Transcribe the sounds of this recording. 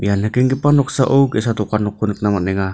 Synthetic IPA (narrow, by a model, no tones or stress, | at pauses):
ḭjanakiŋkipanuksaʔoukesat̪ukanukːunək̚namaneŋa